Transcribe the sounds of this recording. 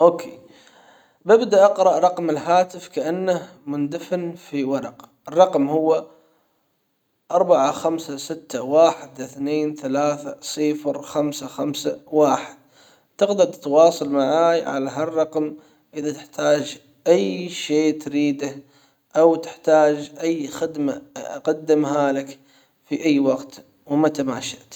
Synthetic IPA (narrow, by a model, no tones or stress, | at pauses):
ʔoːkʰeː | bɪbd̪aʔɑqɾɑʔɾˤɑqmɪlɦaːt̪ɪfkaʔanːah | mʊnd̪afnfiwɑɾˤɑqʔɪrˤːɑqmhʊwːa | ʔɑɾˤbaʕaxamsasɪt̪ːawaːħɪd̪ɪθneːnθalaːθasˤɨːfɾxamsaxamsawaːħɪd̪̥̚ | t̪ɪqd̪at̪t̪awɑːsˤɑlmaʕaːjʕa̰laɦarˤːɑqm | ʔɪðat̪ɪħt̪ʰaːd͡ʒ | ʔajʃeːt̪ɾiːd̪ah | ʔawt̪ɪ̥ħt̪aːd͡ʒʔajːxɪd̪maʔa̰qad̪ːɪmɦalak | fiʔajːwaqt̪ | wmat̪ama̰ːʃaʔt̪